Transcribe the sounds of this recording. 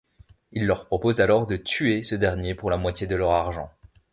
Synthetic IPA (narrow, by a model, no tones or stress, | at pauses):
ilːœʁpχɔpozalɔʁd̪ət̪yesəd̪ɛʁnjepuʁlamwat̪jed̪əlœʁaʁʒɑ̃